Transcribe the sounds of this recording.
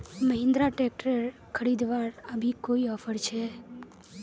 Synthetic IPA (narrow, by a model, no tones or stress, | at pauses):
məɦɪ̃nd̪ɾaʈek̚ʈəɾ | kʰəɾid̪ʋaɾəbʱikoiɔfʰəɾt͡ʃʰe